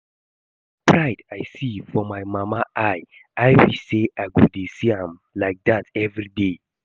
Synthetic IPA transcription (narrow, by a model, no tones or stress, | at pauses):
pɹaɪdaɪsifɔmaɪmamaʔaɪ | aɪwiseʔaɪɡudesiãmlaɪk̚datɛvɹide